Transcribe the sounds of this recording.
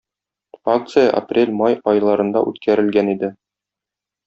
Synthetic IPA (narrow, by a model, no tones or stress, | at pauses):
ak̚t̪sɨjəʔa̰prʲelʲmɑjɒjlˠɑɾɤ̆nd̪ɑ̰ʔʉt̪kʰæɾɘ̆lɡænid̪ɘ